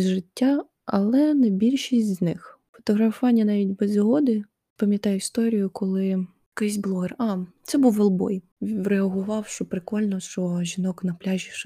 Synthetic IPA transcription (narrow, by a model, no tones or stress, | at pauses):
zʒɪtʲːa | ɐ̰lˠɛnɛbʲilʲʃisʲtʲznɪx | fɔ̥t̪ɔɦɾɐfʋɑnʲːɐnɑʋʲitʲbɛzɦɔd̪ɪ | pɐmʲjɐt̪ɑjʊist̪ɔɾʲijʊkɔlˠɪ | kɪs̬ʲblˠɔɦerɑt̪sɛbuwʋelˠbɔ̰j | ɾeɐɦʊʋɑwʃt͡ʃɔpɾɪkɔlʲnɔʃt͡ʃɔʒʲinɔknɐplʲaʒʲiʃ